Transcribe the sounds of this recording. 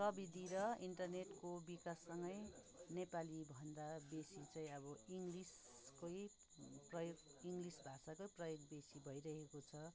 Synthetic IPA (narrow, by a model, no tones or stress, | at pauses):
prʌbid̪ʱiɾʌiɳʈʌrneʈkobikasːʌŋɡʌj | nepalibʱʌnd̪abesit͡saĩʌbʌiŋɡlis | koj | prʌjoɡiŋɡlisbʱasakojprʌjoɡ̚besibʱʌjɾʌɦekot͡sʰʌ